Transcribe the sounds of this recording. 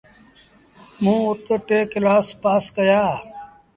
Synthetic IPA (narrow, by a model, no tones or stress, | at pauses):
mũːʊt̪ʈeːkɪlaːspaːskəjaː